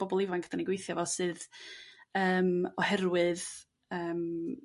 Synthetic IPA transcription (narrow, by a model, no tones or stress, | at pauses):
b̥ɔbɔlˠɪvaŋkʰɡ̥ədaniɡwejθjɔvɔsɨð | əːmɔhɛɾwɨð | əːm